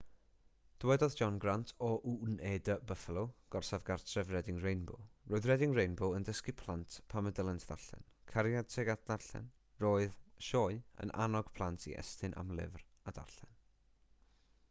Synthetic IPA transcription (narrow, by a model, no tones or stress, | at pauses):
d̥wɛdɔðd͡ʒɔnɡrantʰɔʔunedəbəθəlˠoɡ̥ɔrsavɡartʰrɛvrɛdɪŋrejnbʊ̰lˠroːɨðrɛdɪŋrejnbʊəndəskipʰlˠantpʰamədəlˠɛntʰd̥a̰rɬɛ̰nkʰaɾjad̥tʰɛɡatd̥arɬɛ̰n | roːɨðʃoːɨə̰nʔa̰nɔɡ̥pʰlˠantʰḭʔɛ̰stɨnʔa̰mlˠɪ̰vr | ad̥a̰rɬɛn